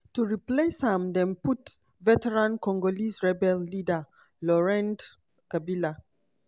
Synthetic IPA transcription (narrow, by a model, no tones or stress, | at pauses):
tuɹipleshãmdɛ̃nput | vɛtɛɹãnkɔ̃ŋɡolisɹɛbɛlːida | lɔɹɛ̃nd | kabila